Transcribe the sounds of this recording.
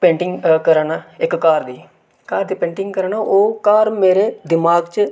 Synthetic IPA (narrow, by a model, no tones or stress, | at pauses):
pẽːɳʈɪŋɡkəɾaːnaːɪkːaːɾd̪iː | kaːɾd̪iːpẽːɳʈɪŋɡkəɾaːnaʔoːkaːɾmeːɾeːd̪ɪmaːɡt͡ʃ